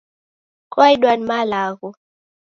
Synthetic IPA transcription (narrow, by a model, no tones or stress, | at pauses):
kwajɗwanmalaɣu